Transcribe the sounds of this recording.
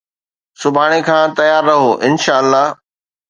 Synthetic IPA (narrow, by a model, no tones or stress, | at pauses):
sʊbʱaːɽ̃ekʰãːt̪ɐjaːɾːɐɦoʔɪnʃaːəlːaːɦ